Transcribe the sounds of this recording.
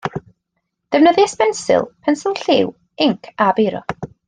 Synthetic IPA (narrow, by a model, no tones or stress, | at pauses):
d̥əvnəðjɛspɛnsɪ̰lˠpʰɛnsɪlˠɬɪw | ɪŋkʰabejɾɔ̰